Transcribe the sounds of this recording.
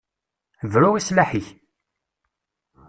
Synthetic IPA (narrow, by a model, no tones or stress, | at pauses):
vɾuwislaħiç